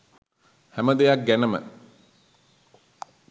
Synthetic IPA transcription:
hæməd̪ejak̚ɡænəmə̰

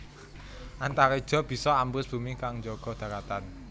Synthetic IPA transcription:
ʔant̪aɾed̥ʒ̥ɔ̤b̥i̤sɔambʊsb̥ṳmikaŋɲd͡ʒɔɡ̥ɔ̤d̪̥ä̤kat̪an

